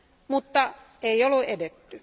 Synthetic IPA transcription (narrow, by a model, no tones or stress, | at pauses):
mut̪ːɑ | eiolːuʔedet̪ːy